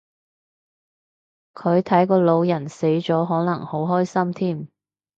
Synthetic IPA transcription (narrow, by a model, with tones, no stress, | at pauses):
kʰɵ˨˧ɥt̪ʰɐ˨˥jkɔː˧lo˨˧wjɐ˨˩nse˨˥jt͡ʃɔː˨˥ɦɔː˨˥nɐ˨˩ŋho˨˥wɦɔː˥jsɐ˥mt̪ʰiː˥˩m